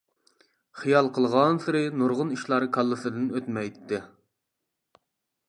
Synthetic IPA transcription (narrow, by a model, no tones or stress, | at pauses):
χijɑlˠqʰəlˠʁɑnsɨɾɪnuɾʁʊniʃlˠɑɾkʰɑlˠːɨsɨd̪ɪnøt̪mɛjt̪ʰːɪ